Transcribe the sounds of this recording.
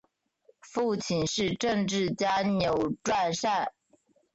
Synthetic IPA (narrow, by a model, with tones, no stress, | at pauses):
fu˥˩t͡ɕʰi˨nʂɻ̩˥˧ʈ͡ʂɤ˥˧ŋʈ͡ʂɻ̩˥˩t͡ɕja˥njo˨˥ʊʈ͡ʂwa˥˧nʂa˥˩n